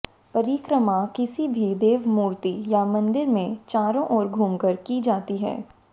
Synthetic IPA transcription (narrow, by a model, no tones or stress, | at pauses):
pɐɾikɾəmãkɪsibʱid̪eːʋmuːɾt̪ijamɐ̃nd̪ɪɾmẽt͡ʃaːɾõʔɔːɾɡʱuːmkəɾkid͡ʒaːt̪iɦɛ̰ː